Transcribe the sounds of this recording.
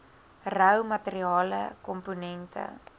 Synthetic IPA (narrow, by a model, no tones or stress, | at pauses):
rəwmɐteɾiɑːlə̰kɔmponɛntʰə̰